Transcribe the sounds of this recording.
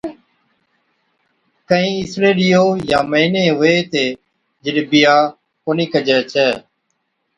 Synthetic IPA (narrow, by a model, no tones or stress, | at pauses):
kəĩːɪsɾeːlɪjoːjãːməiːneːɦʊeːt̪eː | d͡ʒɪɗbɪjaː | koːniːkəd͡ʒɛːt͡ʃʰɛː